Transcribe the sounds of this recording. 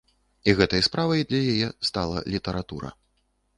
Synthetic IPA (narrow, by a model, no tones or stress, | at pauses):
iɣɛt̪ɐjspɾavɐjd̪lʲɐjajɛst̪alˠɐ̰lʲit̪ɐɾat̪uɾɐ̰